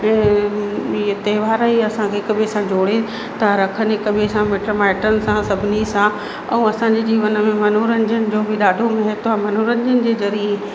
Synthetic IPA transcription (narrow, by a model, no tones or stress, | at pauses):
it̪ɐːʋaːɾaɦiɐsãkʰekɐɓʱesãd͡ʑoːɽe | t̪ɾɐkʰənɦekɐbʱesãmeːʈɾəmaːɪʈənɪ̆sãsɐbʱɪnisã | ɛ̃ũɐsãɲd͡ʑed͡ʑiːʋənə̆mẽmɐnuːɾənd͡ʑənɪ̆d͡ʑoːbɪɗaːɖʱomɐɦet̪amɐnuɾənɪ̆d͡ʑənɪ̆d͡ʑeːzɐɾie